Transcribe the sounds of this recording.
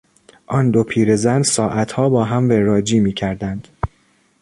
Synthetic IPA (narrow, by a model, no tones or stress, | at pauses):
ʔɒnd̪opʰiːɾezænsɒːʔæt̪ʰhɒːbɒːɦæmveɾɒːd͡ʒiːmiːcʰæɾd̪ænd̪̥